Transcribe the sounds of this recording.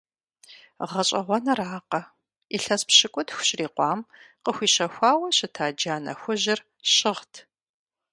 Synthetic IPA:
ʁɐɕʼɐʁʷɔnɐraːqɐ | iɬɐspɕɪkʷʼʊtxʷʊ̥ɕriːqʷɑːmqəxʷiːɕɐxʷɑːwɐɕɪtʰaːd͡ʒaːnɐ̰xʷʊʑɪr | ɕɪʁtʰ

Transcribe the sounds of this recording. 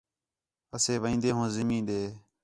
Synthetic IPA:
əseːʋəĩːnd̪eːɦõːzɪmĩːɗ̪eː

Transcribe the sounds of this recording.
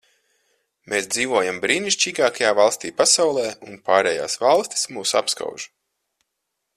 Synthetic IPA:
meːsd̪ziːvuɔjambɾiːniʃt͡ʃiːɡaːkajaːvalˠst̪iːpasawlˠɛːunpaːɾɛːja̰ːsvalˠst̪ʲi̥smuːsa̰pska̰wʒ̥

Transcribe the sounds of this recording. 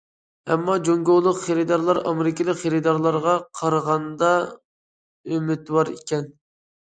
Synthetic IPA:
ɛmːɑd͡ʒoŋɡolˠːʊqχeɾɪd̪ɑɾlˠɑɾɑ̰mɪɾɪkʲɪlˠɪkʲχeɾɪd̪ɑɾlˠɑɾʁɑqʰɑɾʁɑnd̪ɑ | ømɪt̪wɑɾḭkʲɛn

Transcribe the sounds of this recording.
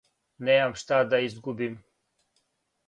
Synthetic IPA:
nejamʂt̪aːd̪aisɡubim

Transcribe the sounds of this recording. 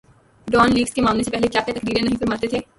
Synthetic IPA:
ɖɔːnliːɡskemaːmlesepɛɦlekjaːket̪ɐkɾiːɾẽnɐɦĩfɐɾmaːɾt̪et̪ʰeː

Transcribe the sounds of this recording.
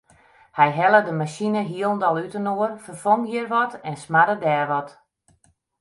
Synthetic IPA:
hɛjɦɛlˠədəmasinəɦiəlˠndɔlˠytənoərfərfomhiərʋɔtɛnsmaɾədɛːrʋɔt

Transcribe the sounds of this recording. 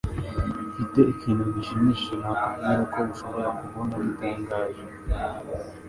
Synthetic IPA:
fiteʔikʰiːnuɡiʃiniʃimaʔaaɾokʰoβuʃoβoɾakuβonaβitaːŋɡaːʒe

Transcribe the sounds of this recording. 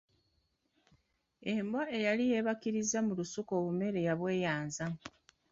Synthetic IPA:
e̞mbwaʔe̞jalije̞βakiɾizamulusuko̞ːβume̞ɾe̞jaβwe̞ːjaːnza

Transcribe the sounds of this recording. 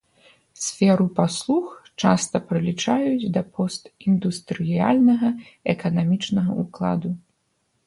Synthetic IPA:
sʲfʲɛɾupaslˠuxt͡ʂast̪ɐpɾɨlʲit͡ʂajud͡zʲd̪ɐpʰɔst̪ind̪ust̪ɾɨjja̰lʲnɐɣɐɛkɐnamʲit͡ʂnɐɣɐʔuklˠa̰d̪u

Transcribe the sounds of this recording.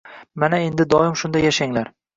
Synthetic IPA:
manae̞nd̪ɪd̪ɒɪmʃʊnd̪ajaʃaŋlaɾ

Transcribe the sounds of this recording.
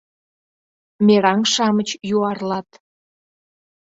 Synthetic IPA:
mʲeɾɑŋʃɑmət͡ɕjuɑrlɑt̪

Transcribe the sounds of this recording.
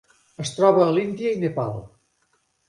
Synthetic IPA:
əst̪ɾɔβəːlind̪iəinepa̰lˠ

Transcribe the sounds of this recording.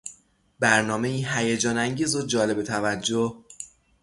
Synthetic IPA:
bæɾnɒːme̞iːɦæjed͡ʒɒːnæŋɟiːzod͡ʒɒːle̞be̞t̪ʰævæd͡ʒːoh

